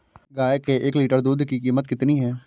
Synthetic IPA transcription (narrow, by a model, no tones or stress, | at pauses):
ɡaːjkeʔeːkliːʈəɾd̪uːd̪kikiːmət̪̚kɪt̪niɦɛː